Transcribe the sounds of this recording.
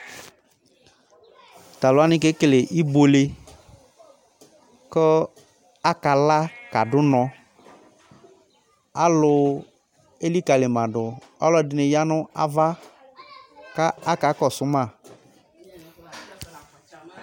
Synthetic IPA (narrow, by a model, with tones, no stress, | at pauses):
ta˨lʊ˨˦a˦nɪ˦ke˦kle˨ʔi˦bo˨le˨ | kɔ˦ | a˦ka˨la˦ka˨dʊ˦nɔ˨ | a˦lʊ˨˧ | e˦li˦ka˨le˨mã˨dʊ˨ | ɔ˦lɔ˦dɪ˨nɪ˨ja˦nʊ˦a̰˦va˦ | ka˦a˦ka˨˦kɔ˨sʊ˨˦ma˦˨